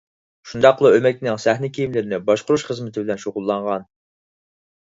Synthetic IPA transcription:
ʃund̪ɑqlˠəømɛk̚ʲnɪŋsæhnɪkʲʰijimlɪɾɪnɪbɑʃqʊɾuʃχəzmɪt̪ʰɪbɪlɛnʃoʁʊlˠːɑɴʁɑn

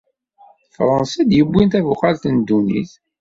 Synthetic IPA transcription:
fɾˤənsæd̪jəbʷːint̪ævuχalθənd̪ːunḭθ

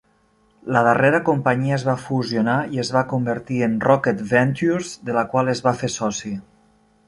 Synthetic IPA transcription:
ləðəreɾəkompəɲiəːzβafuzionaiəzβakumbəɾt̪iənrɔkət̪vɛnt̪uzd̪ələkwalˠəzβafesɔsi

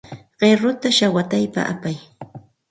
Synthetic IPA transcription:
ɢ̥eɾʊt̪aʃawat̪ajpa̰ʔapaj

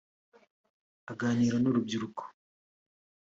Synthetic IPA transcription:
aɡaːniːɾanoɾub̚ɟiɾukʰo̥

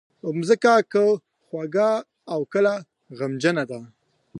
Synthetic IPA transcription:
ʊmzəkakə | xwaɡaː | wkəla | ɣamd͡ʒənad̪a

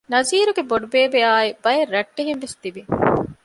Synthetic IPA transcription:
nɐziːɾuɡeboɖubeːbeaːibɐjeɾːɐʈːeɦenʋest̪ibi

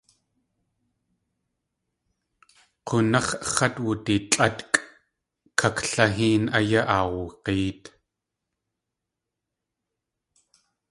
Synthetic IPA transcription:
qʊnɐχχɐt̪wʊt̪it͡ɬʼat̪kʼ | kʰakɬaɦiːnajaʔawqiːt̪

